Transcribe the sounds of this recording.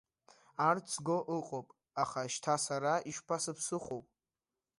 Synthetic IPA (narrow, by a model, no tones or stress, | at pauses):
art͡sʰɡoʔɨqʼopʼ | aχaʃtʰasaɾaiʃpʰasɨpʰsɨχʷowpʼ